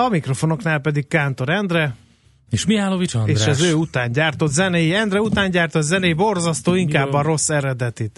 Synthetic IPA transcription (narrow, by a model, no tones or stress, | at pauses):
ɒmikro̞fo̞no̞knaːlpɛd̪ikkaːnt̪o̞ɾɛnd̪rɛ | eʃmiaːlovieːʃɛzøːut̪aːɲɟaːrt̪o̞t̪zɛnɛjiɛnd̪rɛut̪aːɲɟaːrt̪o̞t̪zɛnɛjibo̞rzɒst̪oːiŋkaːbːɒɾo̞sːɛɾɛd̪ɛt̪it̪